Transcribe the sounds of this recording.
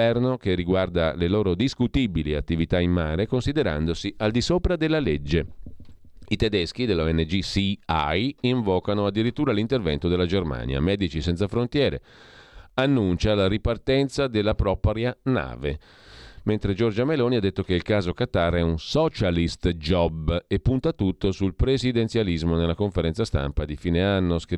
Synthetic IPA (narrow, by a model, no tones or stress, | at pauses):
ɛrnokerːiɡward̪aleloːɾod̪iskut̪ibiliat̪ːivit̪ainːaːɾekonsid̪eɾa̰nd̪osiald̪isoːpɾad̪elːaled͡ʒːe | it̪ɛd̪ɛsk̟id̪elːoɛnːed͡ʒisia̰jiɱvɔːkanoad̪ːiɾit̪ːuːɾalint̪ervɛ̰nt̪od̪elːad͡ʒerma̰ːnja̰mɛːd̪it͡ʃisɛnt̪safɾont̪jɛːɾḛ | anːunt͡ʃalaɾipart̪ɛnt̪sad̪elːapɾɔːpɾjana̰ːvḛ | ment̪ɾed͡ʒɔrd͡ʒameloːniad̪ːet̪ːokeilkaːzokat̪arɛunsɔt͡ʃalist̪d͡ʒɔbepːunt̪at̪ut̪ːosulpɾesid̪ɛnt̪sjalizmonelːakoɱfeɾɛnt̪sast̪a̰mpad̪ifiːneanːosk